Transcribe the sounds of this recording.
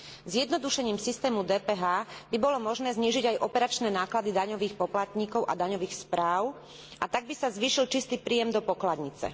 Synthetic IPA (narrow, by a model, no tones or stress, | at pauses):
zjɛd̪nɔd̪uʃɛɲiːmsist̪ɛːmud̪ɛːpɛːɦaːbibɔlɔmɔʒnɛːzɲiːʒiɟajʔɔpɛɾat͡ʃnɛnaːklad̪id̪aɲɔʋiːxpɔplat̪ɲiːkɔʊʔa̰d̪aɲɔʋiːxspɾaːʊ | ʔat̪aɡ̚bisazʋiːʃilt͡ʃist̪iːpɾiːjɛmd̪ɔpɔklad̪ɲit͡sɛ̰